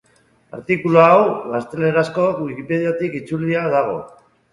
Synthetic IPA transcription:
a̰ɾt̪ikuloawɣast̪e̞le̞ɾasko̞wuikipe̞ð̞jat̪ikit͡suliað̞aɣ̞o̞̰

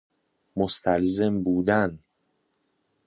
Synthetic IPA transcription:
most̪ʰælze̞mbuːd̪æn

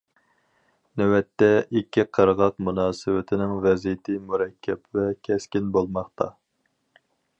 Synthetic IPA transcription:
nɛwɛt̪ːɛʔikʲʰːiqʰəɾəʁɑq̚munɑːsɨwɪt̪ʰɪnɪŋvɛzijɪt̪ʰɪmuɾɛkʲʰːɛpvɛkʲʰɛskʲinbolˠmɑχt̪ʰɑ

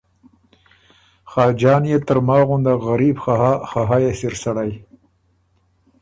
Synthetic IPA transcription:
xɑːd͡ʒɑːnjet̪əɾmɑɣʊnd̪aɣaɾibxaxɑɦɑjesiɾsaɽaj

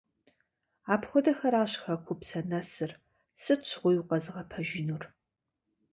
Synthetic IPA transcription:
aːpχʷɔdɐxɐɾaːɕxɐkʷʰʊpsɐnɐsɨr | sɨt͡ʃʰʁʷʊjuqɐzɨʁɐpʰɐʒɪnur

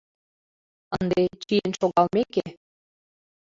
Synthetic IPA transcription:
ənd̪et͡ɕijənʃoɣɑlˠmeke

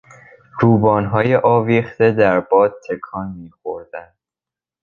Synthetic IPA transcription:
ɾuːbɒːnɦɒːjeʔɒːviːxt̪e̞d̪æɾbɒːd̪̚t̪ʰːe̞kʰɒːnmiːxoɾd̪̥ænd̪̥

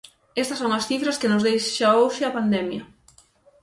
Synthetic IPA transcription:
ɛst̪ɐsoŋɐsθifɾɐskɪnʊzðejʃʃaowʃɪɐpand̪ɛmjɐ

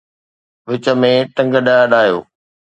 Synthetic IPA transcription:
ʋɪt͡ɕə̆mẽʈɐ̃ŋɡəɗaːəɗaːjo̰ː

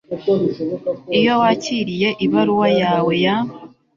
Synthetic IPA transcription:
ijo̞waciːɾije̞ʔiβaɾuwajaːwe̞jamo

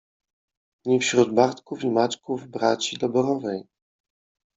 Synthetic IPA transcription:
ɲifɕɾud̪baɾt̪kufimat͡ʃkuvbɾat͡ɕid̪ɔbɔɾɔvɛj

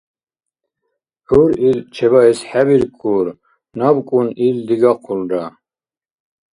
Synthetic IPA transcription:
ħuɾilt͡ʃʰɛβaɛsħæbiɾkʰʼuɾ | nabkʼunild̪iɡaqʰulda

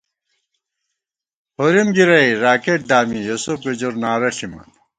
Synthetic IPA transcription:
hoɾimɡiɾɐjɾaːkeʈ̚d̪aːmijosufɡed͡ʑoɾnaːɾɐɬimɐ̰n

